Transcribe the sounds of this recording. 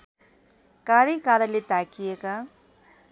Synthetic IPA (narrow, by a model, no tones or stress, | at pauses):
kaɽikaɾɐlet̪akijeka